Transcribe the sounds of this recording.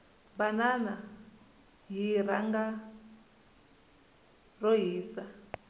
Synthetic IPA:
banana | ɦiɾaŋɡa | rɔɦiːsa

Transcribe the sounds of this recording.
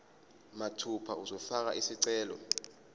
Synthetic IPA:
matʰupʰauzɔfak̬a̰ʔisiǀɛːlɔ̰

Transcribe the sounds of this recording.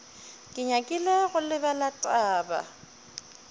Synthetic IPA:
kʼɪɲakʼɪlaɣʊlɪbalatʼaːba̰

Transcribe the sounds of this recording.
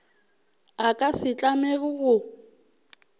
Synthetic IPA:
akʼasɪt͡ɬʼamɛɣʊɣʊ

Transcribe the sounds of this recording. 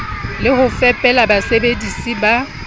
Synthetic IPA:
lɪhʊfɛpʼɛlabasebedisiba

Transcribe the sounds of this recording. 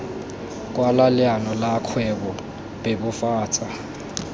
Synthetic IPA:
k̬ʼwalalɪanɔlakʰwɛɓɔ | beɓufaːt͡sʼa

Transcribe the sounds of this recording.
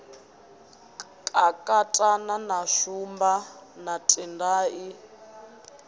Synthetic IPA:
kʼakʼatʼananaʃumbanatʼindaːʔi

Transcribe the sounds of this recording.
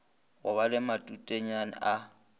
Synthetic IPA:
wʊβalɪmatʼutʼeɲanɪ̰ʔa

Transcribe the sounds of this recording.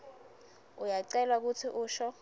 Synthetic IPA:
ujaǀɛlwak̬utʰiʔuːʃɔ

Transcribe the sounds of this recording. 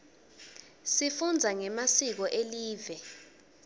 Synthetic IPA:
sifund͡zʱaŋɛmasik̬ɔʔeliːvɛ

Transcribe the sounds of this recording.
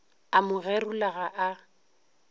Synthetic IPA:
amʊɣɛrʊlaɣaʔa

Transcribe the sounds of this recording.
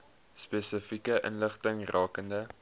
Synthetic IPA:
speːsəfikəʔə̰nləχtəŋrɑːkəndə

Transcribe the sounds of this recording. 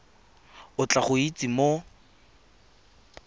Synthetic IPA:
ʊt͡ɬaχʊit͡sʼimo

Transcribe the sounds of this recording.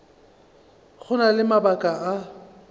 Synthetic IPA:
ɣʰʊnalɪmabakʼaʔa

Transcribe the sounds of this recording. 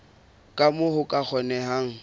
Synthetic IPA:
kʼamʊhʊkʼak͡xʰɔnɛɦaːŋ̩

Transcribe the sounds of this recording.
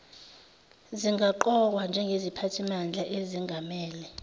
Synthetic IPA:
ziŋɡʱaǃɔkwand͡ʒʱɛŋɡʱezipʰatʰimand͡ɮʱaʔeziŋɡʱamɛːlɛ

